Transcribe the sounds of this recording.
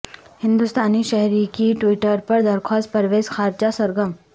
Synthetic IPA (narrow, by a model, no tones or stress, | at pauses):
hɪ̃nd̪ust̪aːniʃɛɦɾikiʈwɪʈəɾpɐɾd̪ɐɾxʰaːst̪̚pɐɾʋeːzxʰaːɾt͡ʃasɐɾɡəm